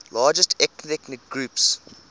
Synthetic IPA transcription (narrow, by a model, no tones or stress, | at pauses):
lɑːd͡ʒəstʰɛktɛknɪk̚ɡɹuːps